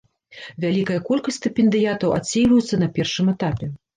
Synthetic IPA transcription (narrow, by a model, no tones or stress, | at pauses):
vʲalʲikɐjɐkɔlʲkɐsʲt̪ɨpʲɛnd̪ɨjat̪ɐwʔa̰sʲːejvɐjut̪sːɐnɐpʲɛrʂɨmɛt̪apʲɛ